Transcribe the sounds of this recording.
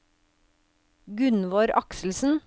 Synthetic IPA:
ɡʉnʋoːɾʔɑksl̩sn̩

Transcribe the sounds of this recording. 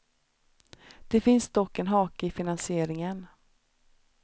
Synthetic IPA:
d̪̥ɛfɪnsd̪ɔkːɛnɦɑːkəɪfɪnansɪeːɾɪŋən

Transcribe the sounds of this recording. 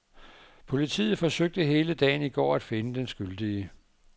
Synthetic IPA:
pʰo̝lit͡sʰḭːð̩ˠfɒ̽søɡ̥̚d̥əɦe̝ːləd̥ɛ̰ːɪniɡ̥ɒ̰ːæd̥fe̝nəd̥ensɡ̥yld̥iə

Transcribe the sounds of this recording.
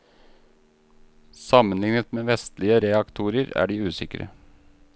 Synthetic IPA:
sɑmənlɪŋnət̪meːʋɛst̪lɪəɾɛɑkt̪ʰuːɾəɾæ̰ːɖiːʉːsɪkɾə̰

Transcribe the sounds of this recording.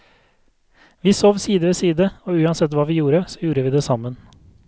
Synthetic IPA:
ʋiːsoːʋsiːd̪əʋeːsiːd̪əoːʉːɑnsɛt̪ʋɑːʋiːjuːɾəsɔjuːɾəʋiːd̪eːsɑmən

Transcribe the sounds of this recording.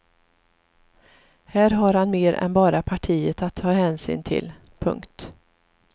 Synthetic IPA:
hæːɾɦaɾhanmeːɾɛ̰nbɑːɾapʰaʈʰiːət̪at̪ʰːɑːɦɛːnsy̰ːnt̪ʰɪ̰l | pʰɵ̰ŋkt̪

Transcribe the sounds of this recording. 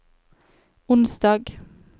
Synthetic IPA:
ʊnsd̪ɑːɡ

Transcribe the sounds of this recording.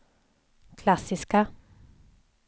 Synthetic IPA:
kʰlɑsɪska

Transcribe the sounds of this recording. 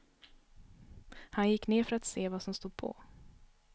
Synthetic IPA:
hanjɪkːneːɾfœɾat̪seːvasɔmst̪uːd̪̚pʰɔ̰

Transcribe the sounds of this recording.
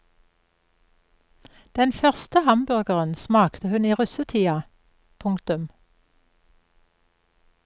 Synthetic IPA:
d̪̥ɛnfœʁst̪əhɑmbʉʁɡəʁənsmɑːkt̪ʰəhʉniːʁʉsət̪ʰiːɑ | pʰʊŋkt̪ʉm

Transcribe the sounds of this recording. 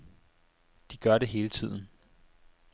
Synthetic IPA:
d̥iɡ̥ɶɐɾe̝ɦe̝ːlət͡sʰið̞̰ˠn̩

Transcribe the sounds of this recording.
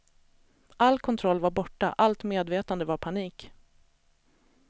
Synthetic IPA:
ʔalːkʰɔnt̪ʰɾɔlːvaɾbɔʈːa̰ʔalt̪meːd̪veːt̪and̪əvaɾpʰaniːk

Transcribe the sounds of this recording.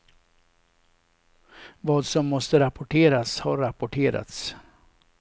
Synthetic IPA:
vɑːd̪sɔmːɔst̪əɾapʊʈʰeːɾashaɾːapʊʈʰeːɾa̰t̪s

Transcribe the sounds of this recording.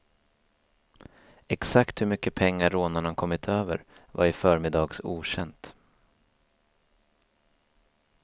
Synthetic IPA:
ɛksakt̪hɵmʏkːəpʰɛŋːaɾːoːnaɳakʰɔmːɪt̪ʰøːvə̰ɾvaɾɪfœːɾmɪd̪ɑːɡsṵːɕɛnt̪

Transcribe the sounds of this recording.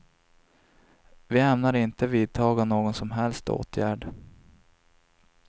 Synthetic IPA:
vɪɛmnaɾɪnt̪əviːd̪̚t̪ʰɑːɡɔmnoːɡɔnsɔmɦɛlst̪o̰ːt̪ʰjæːɖ

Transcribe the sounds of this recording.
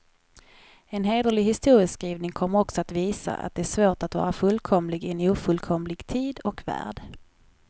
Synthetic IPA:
ɛnɦeːd̪əlɪɡɦɪst̪uːɾɪsskɾiːvnɪŋkʰɔmːəɾɔksɔat̪viːsa̰ʔa̰t̪̚d̪ɛæʂvoːʈat̪vɑ̰ːɾafɵlkʰɔmlɪɡɪɛnuːfɵlkʰɔmlɪɡt̪ʰiːd̪ɔkvæ̰ːɖ

